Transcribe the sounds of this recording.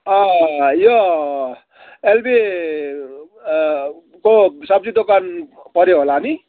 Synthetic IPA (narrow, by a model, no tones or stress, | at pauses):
ʌjo | elbe | kosʌbd͡zid̪okanpʌɾjeɦolani